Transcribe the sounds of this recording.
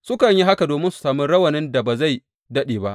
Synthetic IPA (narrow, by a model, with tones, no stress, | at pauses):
sʊ˦kɐ˨ɲji˦ɦa˦ka˨doː˨mɪ˦nsu̥˨saː˨mɪ˦nɽɐ˦wɐ˨nɪ˦nda˨ba˨za˦˨j | dɐ˦ɗeː˨ba˦ʔ